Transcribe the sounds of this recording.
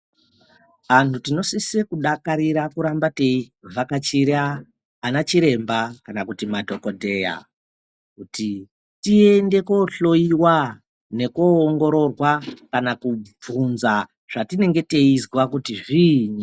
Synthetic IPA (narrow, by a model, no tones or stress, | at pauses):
ʋantʰutino̞sisekuɗakaɾiɾakuɾambate̞ivakat͡ʃiɾaː | nat͡ʃiɾe̞mbakanakutimadʱo̞ko̞dʱe̞ja̰ | kuti | tie̞nde̞ko̞ɬo̞iwa | ne̞koːŋɡo̞ɾo̞rwakanakub͡vunza | ʐ̥atine̞ŋɡe̞te̞izwakutiʐiɲi